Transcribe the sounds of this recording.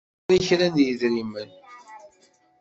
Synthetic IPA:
ɾiçɾænjəðɾimən

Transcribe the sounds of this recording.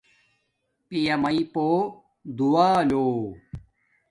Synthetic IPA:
pijɐmɐipoː | d̪uaːloː

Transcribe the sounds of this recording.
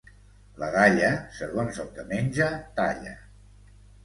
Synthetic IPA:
ləɣaʎəsəɣonzəlˠd̪əmenʲʒət̪aʎə̰

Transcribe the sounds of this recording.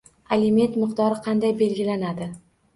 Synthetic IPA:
alɪme̞nt̪mɪqt̪ɒɾɪqʰɑnd̪ajbe̞lɡʲɪlanad̪ɪ

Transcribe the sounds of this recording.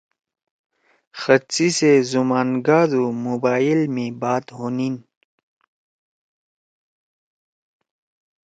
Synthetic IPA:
xət͡sisezumaːnɡaːd̪umubaːilmẽbaːt̪ɦonin

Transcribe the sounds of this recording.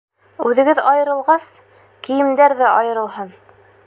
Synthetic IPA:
ʉðɘ̆ɡɘðɑjɤ̆ɾɤ̆lˠʁɑs | kĭjɘ̆md̪æɾðæʔɒjɤ̆ɾɤ̆lˠɦɤn

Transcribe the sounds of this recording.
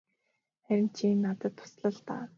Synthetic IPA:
χæɾʲɪ̆m̥t͡ɕʰiːnːat̪ə̆t̪ʰːʊ̥sɮə̆ɮt̪a̰ː

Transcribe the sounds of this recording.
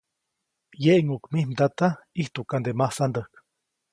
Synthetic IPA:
jeʔŋukmihmd̪at̪aiht̪ukand̪emahsand̪əhk

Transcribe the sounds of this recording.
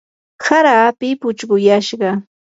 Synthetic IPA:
saɾaːpɪpʊt͡ʃɢʊjaʃɢɑ

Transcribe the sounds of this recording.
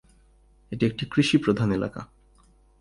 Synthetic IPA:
eʈiek̚ʈikɾiʃipɾod̪ʱanela̰ka̰

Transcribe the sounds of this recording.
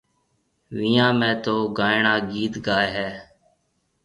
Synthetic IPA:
ʋiːãːmẽːt̪oːɡaːɪɳãːɡiːt̪ɡaːeɦɛː

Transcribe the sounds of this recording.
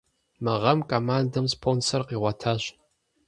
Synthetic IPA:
mɨʁɐmkʼoːmaːndɐmspʰonsɐrqiːʁʷɐtʰaːɕ

